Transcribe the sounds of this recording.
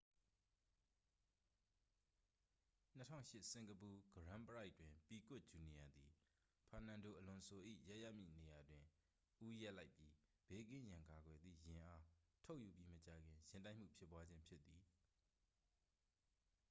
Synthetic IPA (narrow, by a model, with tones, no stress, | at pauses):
n̥ə˦tʰã̰˦ʊ̃ʃɪ˦ʔsɪ̃˨ŋɡəpu˨ɡ̥əɹã˦mpəɹa˦ɪʔtːwɪ̃˨mpi˨kʊ˦ʔ̚d͡ʑu˨ni˨ja˨d̪i˨ | pʰã˨nã˨ndo˨ʔəlʊ̃˨sʰo˨ʔḭ˦˨ja˦ʔja˦ʔmḭ˦˨ne˨ja˨dwɪ̃˨ | ʔu˦ja˦ʔla˦ɪpji˦ | b̥e˨˦kɪ̃˦˨jã˨ŋka˨ɡwɛ˨d̪ðḭ˦˨jɪ̃˨ʔa˦tʰo˦ʊʔju˨pji˦mət͡ɕa˨ɡɪ̃˨jɪ̃˨nta˦ɪʔm̥ṵ˦˨pʰjɪ˦pːwa˦d͡ʑɪ̃˦mpʰjɪ˦t̪ːi˨